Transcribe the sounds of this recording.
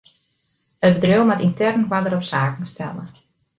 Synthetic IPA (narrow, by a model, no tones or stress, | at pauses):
əbədrøwmatintɛrnkwadəɾɔpsaːkn̩stɛ̰lˠə̰